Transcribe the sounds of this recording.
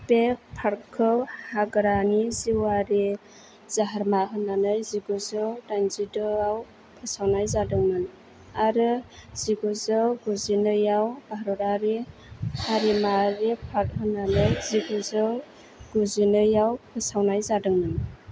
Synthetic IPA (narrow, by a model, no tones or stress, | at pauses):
pek̚pʰaɾkʰɯhaɡɾaniziwaɾe | zaɦaɾmaɦɯnanɯjziɡuzɯdanzidɯaw | pʰasawnajzadɯŋnɯn | aɾɯz̥iɡuzɯɡuzinɯjawbaɦɾɔɾaɾehaɾimaɾepʰaɾt̚hɯnːanɯjziɡuzɯ | ɡ̥uzinɯjawpʰəsawnajzadɯŋnɯn